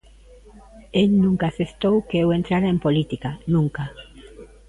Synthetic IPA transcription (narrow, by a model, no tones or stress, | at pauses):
elnũŋkasest̪owkeewent̪ɾaɾaempolit̪ikanũŋka